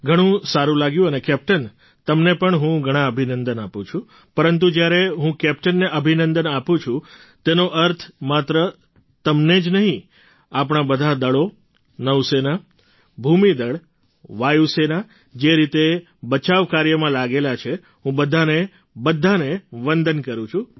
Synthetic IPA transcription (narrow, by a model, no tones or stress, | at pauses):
ɡʱəɽ̃ũsaɾũlaɡjũənekɛp̚ʈən | t̪əmnepəɳɦũɡʱəɽ̃ãəbʱinənd̪ənapũt͡ʃʰũ | pəɾənt̪̬ud͡ʒjaɾeɦũkɛp̚ʈənːeʔəbʱinənd̪ənapũt͡ʃʰũ | t̪enoʔəɾt̪ʰmat̪ɾə | t̪əmned͡ʒnəɦĩ | apɽ̃abəd̪ʱad̪əɭo | nəʋsena | bʱumid̪əɭ | ʋajusena | d͡ʒeɾit̪e | bət͡ʃaʋkaɾjəmãlaɡelat͡ʃʰe | ɦũbəd̪ʱane | bəd̪ʱːaneʋə̃nd̪ənkəɾũt͡ʃʰu